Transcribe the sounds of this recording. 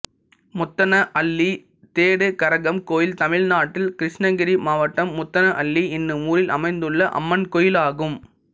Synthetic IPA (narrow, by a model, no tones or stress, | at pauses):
mʊt̪ːɐnɐʔɐɭːi | t̪eːɽɯkɐɾɐɣɐmkoːjɪlt̪ɐmɪɻnaːʈːɪlkɪɾɪʂnɐɡɪɾimaːʋɐʈːɐmːʊt̪ːɐnɐʔɐɭːiɪnːɯmuːɾɪlʔɐ̰mɐɪnd̪ɯɭːɐʔɐ̰mːɐnkɔjɪlaːɣɯm